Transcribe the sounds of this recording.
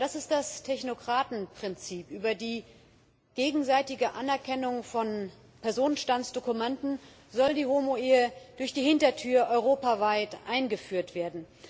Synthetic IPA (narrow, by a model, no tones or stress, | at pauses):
d̥asɪst̚d̥astʰɛçnokʁ̥aːtn̩pʁ̥ɪnt͡siːpʔyːbɐdiː | ɡ̥eːɡŋ̩zaɪtɪɡəʔanɛɐkʰɛnʊŋfɔn | pʰɛɐzoːnənʃtant͡ssd̥okumɛntn̩ | zɔldiːhomoeːəd̥ʊɐçd̥iːhɪntɐtʰyːɐʔɔʏʁ̞oːpavaɪtʔa̰ɪnɡəfyːɐtv̥eːɐdn̩